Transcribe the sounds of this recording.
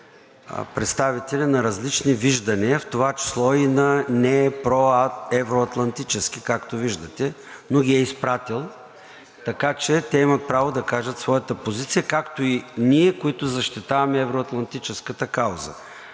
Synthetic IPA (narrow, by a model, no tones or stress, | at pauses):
pɾɛt̪st̪avit̪ɛlʲɐnɐɾɐzlit͡ʃniviʒd̪ɐniəft̪ovat͡ʃi̥slˠɔinɐnɛpɾɔɛvɾoɐt̪lˠɐnt̪it͡ʃɛsk̟ikakt̪oviʒd̪ɐt̪ɛ | noɡʲiɛispɾat̪ilˠ | t̪ɐkat͡ʃɛt̪ɛimɐt̪̚pɾavod̪ɐkaʒət̪svɔjət̪əpozit̪sijəkakt̪oiniɛkoit̪ʊzɐʃt̪it̪avɐmɛɛvɾoɐt̪lˠɐnt̪it͡ʃɛskət̪əkawzə̰